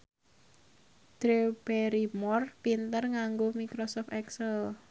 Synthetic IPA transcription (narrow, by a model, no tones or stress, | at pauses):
d̪̥ɾeb̥eɾimɔrpint̪ərŋaŋɡomikɾɔsɔft̪ɛksɛl